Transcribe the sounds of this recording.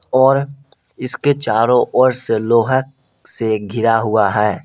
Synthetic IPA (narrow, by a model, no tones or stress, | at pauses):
ɔːɾ | ɪsket͡ʃaːɾõʔɔːɾseloːɦək̚ | seɡʱɪɾaɦʊaɦɛː